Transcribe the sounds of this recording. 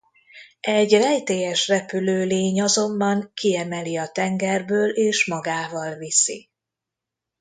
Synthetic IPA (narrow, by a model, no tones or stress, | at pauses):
ɛɟrɛjt̪eːjɛʃrɛpyløːleːɲɒzo̞mbɒŋkiɛmɛliɒt̪ɛŋɡɛrbøːleːʃmɒɡaːvɒlvisḭ